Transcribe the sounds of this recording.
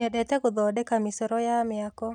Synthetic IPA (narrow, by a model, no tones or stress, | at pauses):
ɛɗɛtɛkʊd̪ɔdɛkamisɛɾɔjamɪakɔ